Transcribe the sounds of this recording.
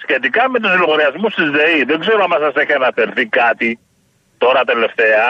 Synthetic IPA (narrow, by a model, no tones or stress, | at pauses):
sçe̞t̪ikɐme̞t̪̬usiloɣoɾiɐzmust̪izðeiðe̞ɡze̞ɾoɐmɐsɐse̞çiɐnɐfeɾθikɐt̪i | t̪o̞ɾɐt̪e̞le̞ft̪e̞ɐ